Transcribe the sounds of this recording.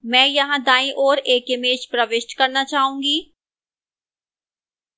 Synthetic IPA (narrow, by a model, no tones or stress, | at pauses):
mɛ̃ːjɐɦãd̪aːĩʔɔːɾeːkɪmeːt͡ʃpɾəʋɪʃʈkɐɾnat͡ʃaːɦũːɡiː